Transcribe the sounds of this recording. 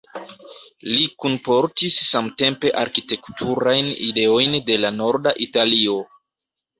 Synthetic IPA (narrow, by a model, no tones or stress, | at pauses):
likunpo̞ɾtisːamte̞mpe̞ʔaɾkite̞ktʰuɾajnḭde̞o̞jnde̞lano̞ɾdaʔitalio̞